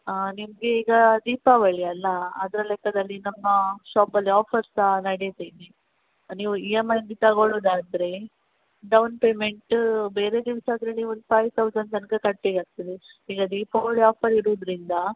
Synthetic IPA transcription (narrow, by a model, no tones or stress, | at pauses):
nimɐɡe̞iːɡɐd̪iːpaʋɐɭiɐlːɐɐd̪ɐɾɐlɛkːɐd̪ɐlːinɐmːɐʃaːpɐlːiaːpʰɐɾsɐnɐɽjet̪ini | niːʋuiemɐjnd̪it̪ɐɡoɭud̪aːɐnd̪ɾe̞ | ɖɐwnpeːmeɳʈbe̞ːɾe̞d̪iʋsaːd̪ɾeniːʋond̪pʰajʋt̪ʰɐʋd͡ʒɐnɖ̪ɐnkɐkɐʈːeɡaːɡ̚t̪ɐd̪eiːɡɐd̪iːpaʋɐɭiaːpʰɐɾiɾud̪ɾind̪ɐ